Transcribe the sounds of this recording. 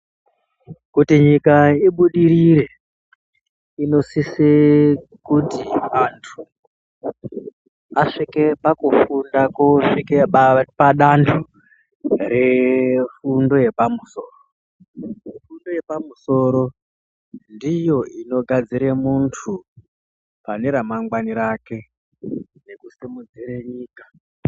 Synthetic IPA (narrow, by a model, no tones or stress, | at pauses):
kutiɲikaiɓuɗiɾiɾe̞ | ino̞sise | kutiantʰu̥ | aʂike̞pakufundakoʂikepaɗantʰu | ɾe̞fundo̞je̞pamuso̞ːro | mfundo̞je̞pamuso̞ɾo̞ | ndijo̞ino̞ɡʱad͡ziɾemuntʰu | pane̞ɾamaŋɡwaniɾake̞ | ne̞kusimud͡zireɲiːkḁ